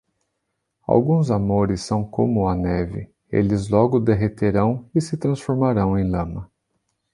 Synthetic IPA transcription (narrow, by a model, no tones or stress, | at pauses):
a̰wɡũzamoɾɪsːɐ̃w̃komʊɐnɛvɪ̰ | ḛlɪzlɔɡʊd̪eɦet̪eɾɐ̃w̃ɪsɪt̪ɾɐ̃sfoɾmaɾɐ̃w̃ẽj̃lɐ̃mɐ